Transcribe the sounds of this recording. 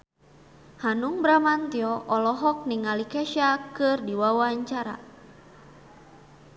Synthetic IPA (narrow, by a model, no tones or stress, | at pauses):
hanuŋbɾamant̪iɔʔɔlɔɦɔk̚niŋalikɛʃakɨrdiwawaɲt͡ʃaɾa̰